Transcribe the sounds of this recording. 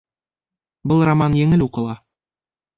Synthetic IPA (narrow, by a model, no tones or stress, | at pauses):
bɤlˠramɑnjɘ̆ŋɘluqɤ̆lˠɑ